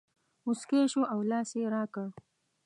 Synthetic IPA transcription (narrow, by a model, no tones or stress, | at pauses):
mʊskeʃoawlɑːseɾɑːka